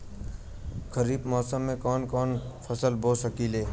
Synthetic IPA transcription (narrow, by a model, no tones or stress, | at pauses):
kʰəɾiːbmɔːsəmːẽkɔːnkɔːnpʰəsəlbʱoːsəkileː